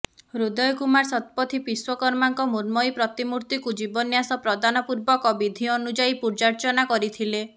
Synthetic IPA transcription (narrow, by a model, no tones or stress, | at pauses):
ɾud̪ɔjɔkumaɾsɔt̪̚pɔt̪ʰipiswɔkɔɾmaŋkɔmuɾmɔjpɾɔt̪imuɾt̪ikud͡ʒibɔnjasɔpɾɔd̪anɔpuɾbɔkɔbid̪ʱiɔnud͡ʒaipuɾd͡ʒaɾt͡ʃɔnakɔɾit̪ʰile